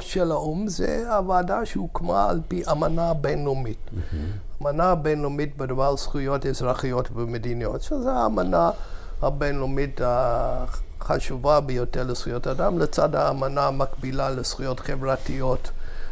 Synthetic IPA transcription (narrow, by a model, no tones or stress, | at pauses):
ʃelaumzḛavaːdaʃeukmaa̰lpiʔamanabenlomit | amanabenlomitbedavaʁsχujo̞tezʁaχijotvemedinijo̞̰tʃezeaːmana | habenlomita | χaʃuvabejoteʁlesχujotadamlet͡sadhaːmanamakbilalesχujo̞tχevʁatijot